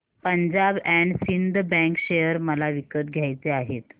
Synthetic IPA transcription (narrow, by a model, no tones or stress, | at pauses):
pəɲd͡ʑabɛɳɖsind̪bɛ̃ŋkɕejəɾməlaʋikət̪̚ɡʱjajt͡seaɦet̪